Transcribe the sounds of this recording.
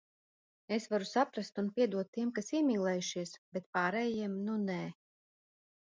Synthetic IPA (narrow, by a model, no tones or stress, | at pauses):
esvaɾusapɾast̪unpʲiɛd̪uɔt̪ːiɛmkasiɛmiːlˠɛjuʃiɛsb̥et̪̚paːɾɛjiɛmnunɛː